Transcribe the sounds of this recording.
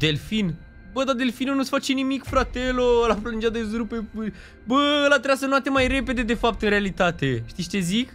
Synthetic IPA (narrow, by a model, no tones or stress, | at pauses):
d̪e̞lfin | bəd̪ad̪e̞lfinunusfat͡ʃe̞nimikfɾat̪elolapɾolund͡ʒad̪ezɾupe | bəɨlat̪ɾejasənoat̪e̞majɾe̞pe̞d̪e̞d̪e̞fap̚t̪ɨnɾealit̪at̪e̞ʃt̪ist͡ʃe̞zik